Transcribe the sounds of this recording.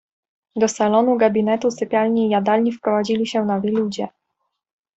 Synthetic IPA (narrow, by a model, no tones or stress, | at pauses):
d̪ɔsalɔnuɡabʲinɛt̪usɘpʲjalɲiːjad̪alɲifpɾɔvad͡ʑilʲiɕɛnavʲilʲud͡ʑɛ